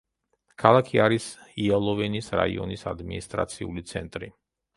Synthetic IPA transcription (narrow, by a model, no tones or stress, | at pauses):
kʰalˠakʰiaɾisialˠɔvɛnisɾa̰iɔ̰nisad̪minist̪ʼɾa̰t̪sʰiulit̪sʰɛnt̪ʼɾi